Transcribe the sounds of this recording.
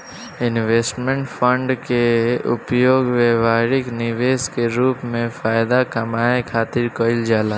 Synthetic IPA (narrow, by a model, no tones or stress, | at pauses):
ɪnʋeːsʈmẽɳʈfʰə̃ɳɖkeʊpjoːɡʋeʋaːɾɪknɪʋeːskeɾuːpmẽfaːjd̪akɐmaːekʰaːt̪ɪɾkoːɪld͡ʒaːlaː